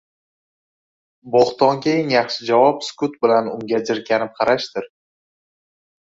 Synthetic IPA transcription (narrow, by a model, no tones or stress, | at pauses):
boχt̪ɒŋkʲʰejɪŋjɑχʃɪd͡ʒavɒpskʊt̪̚bɪlanʊ̰ŋɡʲad͡ʒɪɾkʲʰanɪp̚qʰɑɾaʃt̪ɪɾ